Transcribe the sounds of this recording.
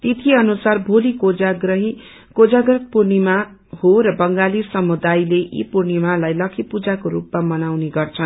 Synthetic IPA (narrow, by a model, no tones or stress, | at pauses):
t̪it̪ʰiʌnusarbʱolikod͡zaɡrʌɦi | kod͡zaɡrʌt̪̚purnima | hoɾʌbʌŋɡalisʌmud̪ajlejḭpurnimalajlʌkʰipud͡zakoɾupmamʌnawneɡʌrt͡sʰʌn